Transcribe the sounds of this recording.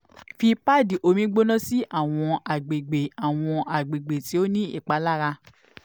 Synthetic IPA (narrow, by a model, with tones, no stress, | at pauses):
fi˧pa˦˨di˨ʔo˧mĩ˦ɡ͡bo˦nã˦si˦ʔa˦˨w̃ɔ̃˧a˨ɡ͡be˨ɡ͡be˨a˨w̃ɔ̃˧a˨ɡ͡be˨ɡ͡be˨ti˨˦o˦nĩ˦ḭ˦˨k͡pa˨˦la˦ɾa˧